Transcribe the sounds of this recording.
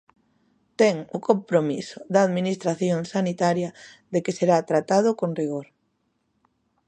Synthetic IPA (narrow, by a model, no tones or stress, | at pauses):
t̪ɛŋʊkompɾomisʊ̥ðaːðminist̪ɾaθjoŋsanit̪aɾjɐðekeseɾat̪ɾat̪að̞ʊkoŋriɣ̞oɾ